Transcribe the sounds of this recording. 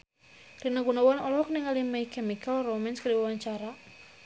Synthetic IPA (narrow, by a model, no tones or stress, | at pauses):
rinaɡunawanɔlɔhɔk̚niŋalimaikɛmikalromɛnskaɾiwawaɲt͡ʃaɾa